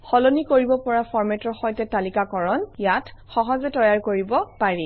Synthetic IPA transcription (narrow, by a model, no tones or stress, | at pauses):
xɔlonikoɹibɔpɔɹapɔɹmɛtɔɹxɔjtɛtalikakɔɹɔnjatxɔɦɔzɛtɔjaɹkoɹibɔpaɹi